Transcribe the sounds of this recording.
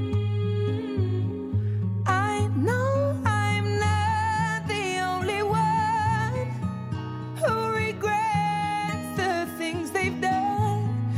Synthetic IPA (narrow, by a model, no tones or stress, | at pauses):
ʔaɪnoʊãɪ̃mnəðiõʊ̃nliwʌn | huɹɪɡɹɛ | tsðɨθɪ̃ŋzðeɪvdon